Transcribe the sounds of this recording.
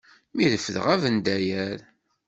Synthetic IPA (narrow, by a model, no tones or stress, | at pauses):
miðəfəðə̰ʁævənd̪æjæɾ